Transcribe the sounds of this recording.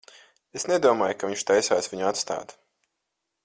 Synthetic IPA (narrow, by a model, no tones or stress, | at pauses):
esned̪uɔmaːjkaviɲt͡ʃt̪ajsaːsviɲat̪st̪a̰ːt̪